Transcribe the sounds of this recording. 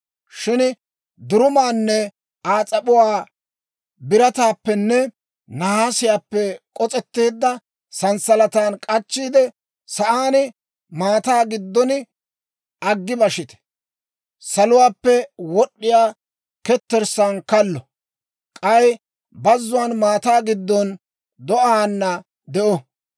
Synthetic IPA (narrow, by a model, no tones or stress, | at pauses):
ʃɪn | d̪ʊɾʊmaːnːɛ | aːt͡sʼɐɓʊwaː | bɪɾɐt̪aːpːɛnːɛ | nɐhaːsɪjaːpːɛkʼɔt͡sʼɛt̪ːeːd̪ːɐ | sɐnsɐlɐt̪aːnkʼɐt͡ʃːiːd̪ɛ | sɐʔaːnɪ | maːt̪aːɡɪd̪ːɔnɪ | ɐɡːɪbɐʃɪt̪ɛ̥ | sɐlʊwaːpːɛwɔɗːɪjaː | kɛt̪ːɛɾsankɐlːɔ | kʼɐj | bɐzːʊwaːnmaːt̪aːɡɪd̪ːɔn | d̪ɔʔaːnːɐ | d̪ɛʔɔ